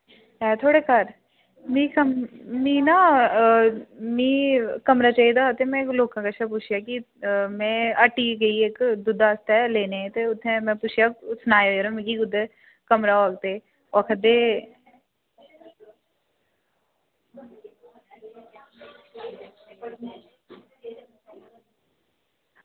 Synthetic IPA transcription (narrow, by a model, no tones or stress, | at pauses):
ɦɛ̃ːt̪ʰoːɽeːkəɾ | mĩːkəmĩːnaː | mĩːkəmɾaːt͡ʃaːiːd̪aːɦot̪emɛ̃ːkloːkãːkaət͡ʃʃʰap̬ʊt͡ʃʰjaːki | mɛ̃ːəʈiːɡəiːekd̪ʊd̪aːst̪ɛleːnẽːt̪eːʊt̪ʰːẽmɛ̃ːpʊt͡ʃʰjaːsnaːeɾõːmɛ̃ːkiːɡʊd̪e | kəmɾaːoːɡt̪eː | ɔkʰəd̪eː